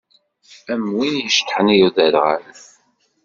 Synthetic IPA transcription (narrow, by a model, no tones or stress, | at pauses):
æmwinjəʃt̪ħənijuðæɾʁa̰l